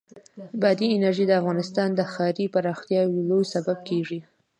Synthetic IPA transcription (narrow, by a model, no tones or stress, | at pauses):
bɑd̪iɪnaɾʒid̪əafɣɑnɪst̪ɑnd̪əxɑɾipaɾɑxt̪jɑwlojsabab̚keʐi